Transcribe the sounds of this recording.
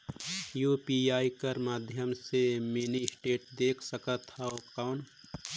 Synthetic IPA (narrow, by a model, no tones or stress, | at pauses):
juːpiaːikəɾmaːd̪ʱjəmsemiːnisʈeːʈd̪eːkʰsəkət̪haokaʊn